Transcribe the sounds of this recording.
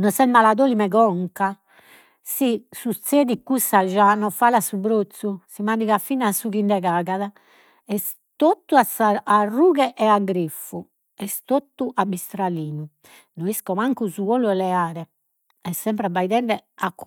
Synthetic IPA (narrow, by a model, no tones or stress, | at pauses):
nɔsɛmalaðoːlimɛɣɔŋka | sisut̪seːðikːusːaʒanɔfalasuβɾot̪susimaniɣafinasuɣindɛɣaːɣaða | ɛs | t̪ot̪ːuasaːrːuːɣɛʔɛaɡɾifːu | ɛst̪ot̪ːuʔabist̪ɾaliːnu | noiskɔmaŋkuzuβoluɛlɛaːɾɛ | ɛsːɛmpɾabaiðɛnɖɛak